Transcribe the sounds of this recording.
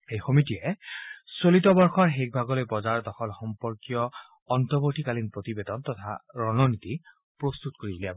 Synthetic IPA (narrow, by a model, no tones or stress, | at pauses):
ejxomitijɛsolitɔbɔɹxɔɹɦek̚bʱaɡɔlojbɔzaɹdɔxɔlxɔmpɔɹkijɔː | ntɔboɹʈʰikalinpɹot̪ibed̪ɔntɔt̪ʰa̰ɹɔnɔnit̪i | pɹost̪utkoɹiboliabɔ